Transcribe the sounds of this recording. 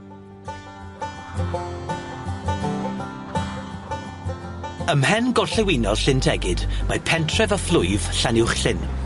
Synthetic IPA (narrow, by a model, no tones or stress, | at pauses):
əmhɛnɡɔɬɛwinɔlˠɬɪntʰɛɡɪdmapʰɛntʰrɛvəflˠʊjvɬanɪwχɬɪn